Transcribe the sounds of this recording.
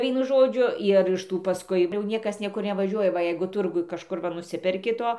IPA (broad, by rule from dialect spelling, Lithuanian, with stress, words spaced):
ˈʋʲiɛnʊ ˈʒoːd͡ʒʲʊ ɪr ɪʃ ˈtuː pɐˈskʊɪ jɛʊ ˈnʲiɛkɐs ˈnʲiɛkʊr nʲɛʋɐˈʒʲuɔjɛ ˈʋɐ ˈjɛɪɡʊ ˈtʊrɡʊj kɐʃˈkʊr ʋɐ nʊˈsʲɪpʲɛrʲkʲɪ ˈtoː